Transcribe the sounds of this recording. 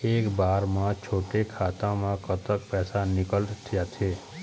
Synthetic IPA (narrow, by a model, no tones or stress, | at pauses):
eːkbaɾmãt͡ʃʰoʈekʰat̪ãmãkət̪ək̚pɛːsanɪkəlt̪ʰəjat̪ʰe